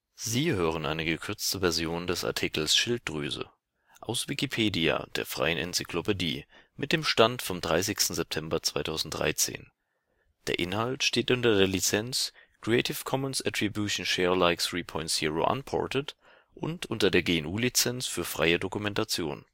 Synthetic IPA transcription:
ziːhøːʁ̞ənʔa̰ɪnəɡəkʰʏɐt͡stəvɛɐzjoːndɛsa̰ɐtʰikl̩sʃɪlt̚d̥ʁyːzə̰ | ʔaʊsv̥ɪkipʰeːdia̰d̥ḛːɐfʁ̥a̰ɪənʔɛ̰nt͡sɪ̥kʰlopediːmɪt̚d̥eːmʃtantfɔmdʁaɪs̬ɪçstn̩zɛp̚tʰɛmbɐt͡sv̥aɪtʰaʊzn̩t̚d̥ʁa̰ɪt͡sḛːn | d̥ḛːɐʔɪnhaltʃteːtʔʊntɐdeːɐlit͡sɛnskʁ̥iɛɪtʰɪfkʰɔmənsɛtʁ̥ibjuʃn̩ʃɛːɐlaɪksʁipʰɔʏ̃ntz̥ḭʁo̰ʔa̰npʰɔ̰ɐtət | ʔʊntʔʊntɐdeːɐɡeːɛnʔuːlit͡sɛnsfyːɐfʁ̥a̰ɪədokumɛntat͡sjo̰ːn

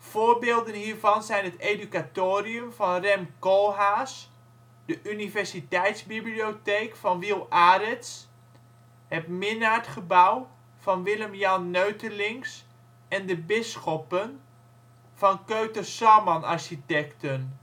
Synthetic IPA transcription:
foːɹbeːlˠdənhiːɹvɑnzɛjnɦəteːdykatoːriəmfɑnrɛmkɔlˠɦaːs | dəʔynivɛɹsitɛjtsbiblioteːkfɑnʋilˠaːɾɪts | hɛpmɪnaːɹtχəbaw | fɑnʋɪləmjɑnːøɥtəlɪŋs | ɛndəbɪsxɔpən | fɑnkøːtəsɔmɔnaɹʃitɛktən

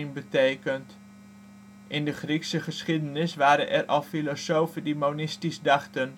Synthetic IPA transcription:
nbətejkənt | ʔɪndəχriksəχəsχidənɪsʋaːɾə̰nʔɛ̰rʔɑlˠfilosowfədemonɪstizdɑχtən

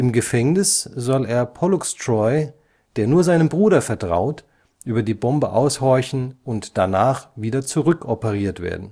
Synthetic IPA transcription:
ʔɪmɡəfɛŋnɪsz̥ɔleːɐpʰɔlʊkstʁɔʏ | d̥eːɐnuːɐzaɪnənbʁuːɾɐfɛɐtʁ̥a̰ʊt | ʔyːbɐdiːbɔmbəʔaʊshɔɐçn̩ʊntd̥anaːχviːdɐt͡suʁʏkʔɔpəʁiːɐtv̥ḛːɐdn̩

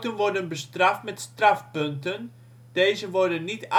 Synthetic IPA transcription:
tənʋɔrdənbəstraftmɛtstrafpøntən | d̥eːzəʋɔrdənːit

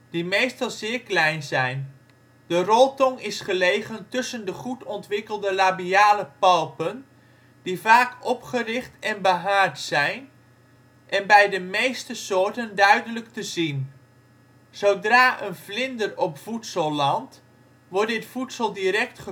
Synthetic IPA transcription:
d̥imejstɑlˠzɪːɹklɛjnzɛjn | dərɔlˠtɔŋɪsχəlejχəntʏsəndəχutɔntʋɪkəlˠdəlabiaːləpɑlˠpən | d̥ivaːkɔpχərɪχtɛnbəɦaːɹtsɛjn | ʔɛnbɛjdəmejstəsʊːɹtəndœɥdələktəzin | z̥owdraːʔənvlɪndərɔpfutsəlˠlɑnt | ʋɔɹddɪtfutsəlˠdiɾɛk̚tχə

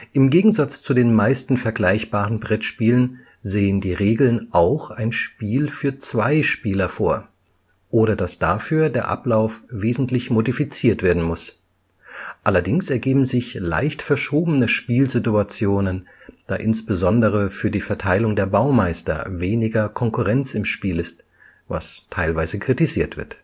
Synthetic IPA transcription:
ʔɪmɡeːɡŋ̩zat͡st͡sudeːnmaɪstn̩fɛɐɡlaɪçb̥aːʁənbʁɛtʃpiːlən | zeːəndiːʁeːɡl̩nʔaʊxaɪnʃpiːlfyːɐt͡sv̥aɪʃpiːlɐfo̰ːɐ | ʔoːɾɐdasd̥aːfyːɐdeːɐʔa̰plaʊfv̥eːzn̩tlɪçmodifit͡siːɐtv̥eːɐdn̩mʊs | ʔalɐdɪŋsɛɐɡeːbm̩zɪçla̰ɪçtfɛɐʃoːbənəʃpiːlzɪtuat͡sjoːnən | d̥aːʔɪnsb̥əzɔndəʁ̞əfyːɐdiːfɛɐtʰaɪlʊŋdeːɐbaʊmaɪstɐ̰veːnɪɡɐkʰɔŋkuʁɛnt͡sɪmʃpiːlɪst | va̰stʰaɪlvaɪzəkʁ̥itiziːɐtv̥ɪ̰ɐt

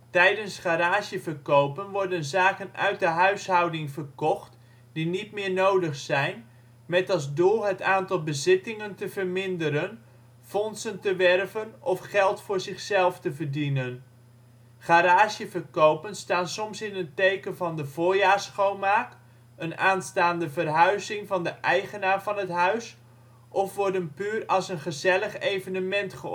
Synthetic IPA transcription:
tɛjdənsχaːɾaːʒjəvərkowpənʋɔɹdənzaːkənœ̰ɥt̚dəɦœɥsɦʌwdɪŋvərkɔχt | d̥initmɪːɹnowdəχsɛjn | mɛtɑlˠzdʊːɦətaːntɑlˠbəzɪtɪŋəntəvərmɪndəɾən | fɔnsəntəʋɛrvənɔfχɛlˠtfʊːɹzɪχsɛlˠftəvərdinən | χaɾaːʃjəvərkowpənstaːnsɔmsɪnəntejkənvɑndəv̥oːɹjaːɹsχowmaːk | ənaːnstaːndəvərɦœɥzɪŋvɑndəʔɛjχənaːrvɑnɦətɦœɥs | ʔɔfʋɔɹdənpyːrɑlˠsənχəzɛləχejvənəmɛntχə

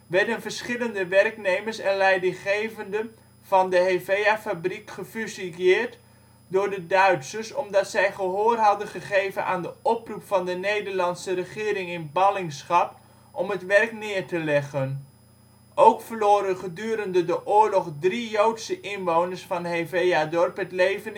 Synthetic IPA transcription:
ʋɛɹdənvəɹsχɪləndəʋɛrknejməɹsɛnlɛjdɪχejvəndə | v̥ɑndəɦevejafabrikχəfyziɪːɹt | dʊːɹdədœɥtsəsɔmdɑtsɛjχəɦoːrɦɑdənχəχejvənʔa̰ːndəɔprupfɑndənejdəɹlɑnsərəχɪːɾɪŋɪnbɑlɪŋsχɑp | ʔɔmɦətʋɛrknɪːɹtəlɛχən | owkfəɹloːɾəχədyːɾəndədəʔʊːɹlɔχdrijowtsəʔɪnʋownəɹsfɑnɦevejadɔɹpɦətlejvən

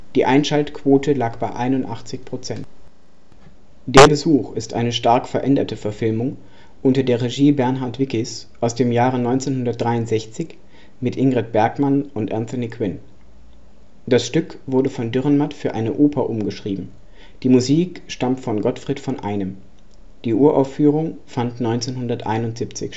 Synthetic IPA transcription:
d̥iːʔaɪnʃaltkv̥oːtʰəlaːkb̥aɪʔaɪnʊntʔa̰χt͡sɪçpʁ̥ot͡sɛnt | d̥eːɐbəzuːχɪstʔa̰ɪnəʃtaɐkfɛɐʔɛndɐtəfɛɐfɪlmʊŋ | ʔʊntɐdeːɐʁeʒiːbɛɐnɦaɐtv̥ɪkɪs | ʔaʊsd̥eːmjaːʁ̞ənɔʏnt͡seːnhʊndɐt̚d̥ʁaɪʊntz̥ɛçt͡sɪç | mɪtʔɪŋɡʁɛt̚b̥ɛɐkmanʊntʔɛnθʊnikʰw̥ɪn | d̥asʃtʏkv̥ʊɐdəfɔndʏʁənmatfyːɐʔaɪnəʔoːpʰɐʔʊmɡəʃʁ̥iːbm̩ | d̥iːmuziːk | ʃtamtfɔnɡɔtfʁ̥iːtfɔnʔa̰ɪnəm | d̥iːʔuːɐʔaʊfyːʁ̞ʊŋfantnɔʏnt͡seːnhʊndɐtʔa̰ɪnʊntz̥ipt͡sɪç

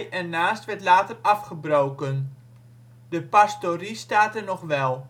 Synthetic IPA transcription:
ɛnaːstʋɛɹtlaːtərɑfχəbrowkən | dəpastoristaːtɛɹnɔχʋɛlˠ

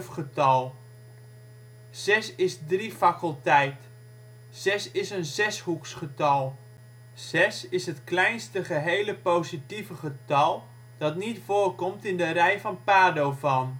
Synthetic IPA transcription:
fχətɑlˠ | z̥ɛsɪsdrifakəlˠtɛjt | z̥ɛsɪsənzɛshuksχətɑlˠ | z̥ɛsɪsɦətklɛjnstəχəɦejləpowzitivəχətɑlˠ | d̥ɑtnitfoːrkɔmtɪndərɛjfɑnpaːdowvɑn

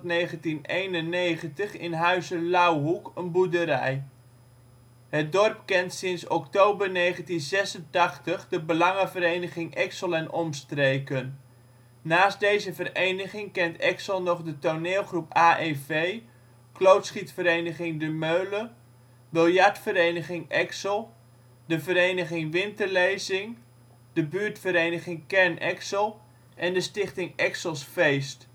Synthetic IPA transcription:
tnejχəntinejnənejχəntəχɪnɦœɥzəlawɦukənbudəɾɛ̰j | ɦət̚dɔrpkɛntsɪnsɔktowbərnejχəntinzɛsəntɑχtəχdəbəlɑŋəvəɾejnəχɪŋʔɛksəlˠɛnɔmstrejkənː | aːst̚dejzəvərejnəχɪŋkɛntɛksəlˠnɔχdətoneːlˠχrupaːʔevej | klowtsχitfəɾejnəχɪŋdəmøɥlə | bɪlˠjɑɹtfəɾejnəχɪŋʔɛksəlˠ | dəvəɾejnəχɪŋʋɪntəɹlejzɪŋ | dəbyːɹtfəɾejnəχɪŋkɛɹnʔɛksəlˠ | ʔɛndəstɪχtɪŋɛksəlˠsfejst

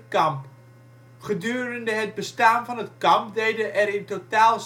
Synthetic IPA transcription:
kɑmp | χədyːrəndəɦəd̚bəstaːnvɑnɦətkɑmp̚dejdəʔɛɾɪntotaːlˠs

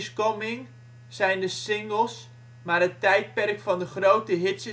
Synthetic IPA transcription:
skɔmɪŋ | sɛjndəsɪŋɡəlˠs | marətɛjt̚pɛrkfɔndəχrowtəɦɪtsə

